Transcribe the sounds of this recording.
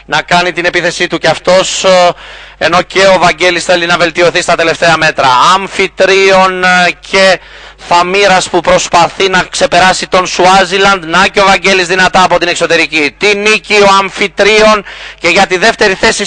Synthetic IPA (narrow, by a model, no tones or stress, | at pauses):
nɐkɐnit̪ine̞piθe̞sit̪uceɐft̪o̞s | e̞no̞ce̞o̞vɐɲɟe̞lisθe̞linɐve̞lt̪io̞θist̪ɐt̪e̞le̞ft̪e̞ɐme̞t̪ɾɐɐɱfit̪ɾio̞ncʰe̞ | θɐmiɾɐspupɾo̞spɐθinɐkse̞pe̞ɾɐsit̪o̞nsuɐzilɐnd̪nɐceovɐɲɟe̞lizðinɐt̪ɐːpo̞t̪ine̞kso̞t̪e̞ɾicit̪inicio̞ɐɱfit̪ɾio̞nce̞ʝɐt̪iðe̞ft̪e̞ɾiθe̞si